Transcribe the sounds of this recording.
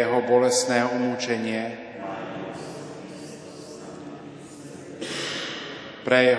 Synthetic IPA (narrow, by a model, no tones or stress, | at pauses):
jɛɦɔbɔlɛsnɛːumuːt͡ʃɛɲɪɛ | pɾɛjɛ